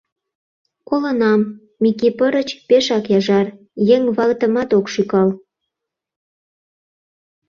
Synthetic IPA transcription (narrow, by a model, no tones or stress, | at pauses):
kolə̆nɑmː | ikipəɾə̆t͡ɕpeʃɑkjɑʒɑr | jeŋβɑɣt̪ə̆mɑt̪okʃykɑl